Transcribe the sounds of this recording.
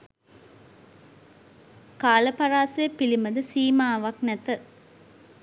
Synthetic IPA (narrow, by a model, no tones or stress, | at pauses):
kaːlɐpɐɾaːsɐjəpilimɐd̪əsiːmaːʋɐknɛt̪ə